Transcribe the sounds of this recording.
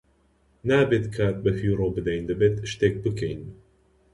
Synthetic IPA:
naːbet̪kʰaːt̪̚bɐfiːɾobɨd̪ɐjnd̪ɐbet̪ʃt̪eːk̚bɨkʰejn

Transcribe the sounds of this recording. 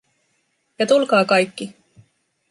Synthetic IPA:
jɑt̪ulkɑːkɑjkːi

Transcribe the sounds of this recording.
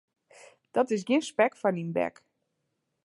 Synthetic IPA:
d̥ɔtɪs̬ɡɪnspɛkfɔninbɛ̰k

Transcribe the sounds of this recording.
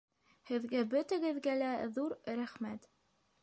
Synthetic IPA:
hɘ̆ðɡæbɵ̆t̪ɘ̆ɡɘ̆ðɡælæðuɾɾæχmæt̪

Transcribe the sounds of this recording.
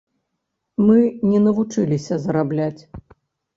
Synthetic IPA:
mɨnʲɛnɐvut͡ʂɨlʲisʲɐzɐɾablʲat͡sʲ

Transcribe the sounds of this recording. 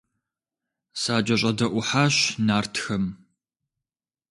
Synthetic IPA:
saːd͡ʒʼɐɕʼɐdɐʔʷʊħaːɕnaːrtʰxɐm

